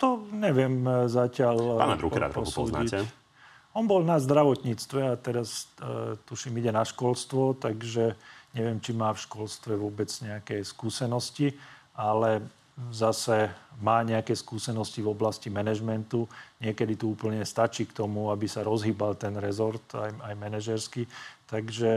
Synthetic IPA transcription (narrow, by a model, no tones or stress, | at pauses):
t̪ɔɲɛʋɪɛmzacɪaʎa̰mɛ̰ɾṵpkɾɾa̰d̪ɾpɔsṵːzna̰iɛ | ɔnbɔlnazd̪ɾaʋɔt̪ɲiːt͡st̪ʋɛat̪ɛɾast̪uʃimiɟɛnaʃkɔlst̪ʋɔt̪aɡʒɛɲɛʋɪɛmt͡ʃimaːfʃkɔlst̪ʋɛʋʊɔbɛd͡zɲɛakɛːskuːsɛnɔsciʔalɛ | zasɛmaːɲɛakɛːskuːsɛnɔscivɔblascimɛnɛʒmɛnt̪uɲɪɛkɛd̪it̪uuːpl̩ɲɛst̪at͡ʃiːkt̪ɔmuabisaɾɔzɦiːbalt̪ɛnɾɛzɔɾt̪ajajmɛnɛʒɛɾskit̪aɡʒɛ